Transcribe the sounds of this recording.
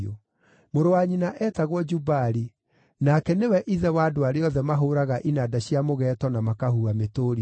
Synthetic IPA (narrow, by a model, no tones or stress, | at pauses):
o | moɾowaɲinaʔɛtaɣwɔd͡ʒubaɾi | nakɛnewɛʔiðɛwadoaɾeɔðɛmaɦoːɾaɣaʔinadaɕiamoɣɛːtɔnamakahuametoːɾi